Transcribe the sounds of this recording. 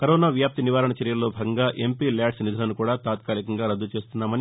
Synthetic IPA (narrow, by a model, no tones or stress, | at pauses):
kɐɾoːnaːʋjaːp̚t̪iniʋaːɾɐɳɐt͡ʃɐɾjɐlːo̞ːbʱaːɡɐŋɡaːʔe̞mpiːljaːɖsnid̪ʱɐlɐnukuːɽaːt̪aːt̪kaːlikɐŋɡaːɾɐd̪ːut͡ʃe̞ːst̪unːaːmɐni